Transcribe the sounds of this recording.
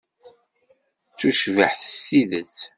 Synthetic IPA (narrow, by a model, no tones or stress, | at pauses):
t͡sːuʃvəħθst̪iðət͡s